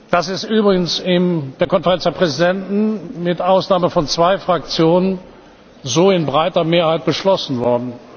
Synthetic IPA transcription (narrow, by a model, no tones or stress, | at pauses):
d̥asɪstʔyːbʁɪɡənsɪnd̥eːɐkɔnfɛʁɛnt͡sd̥eɐpʁ̥ɛzidɛntn̩mɪtʔaʊsnaːməfɔnt͡sv̥aɪfʁ̥ak̚t͡sjoːnən | zoːɪnbʁaɪtɐmeːɐhaɪt̚b̥əʃlɔsn̩vɔɐdn̩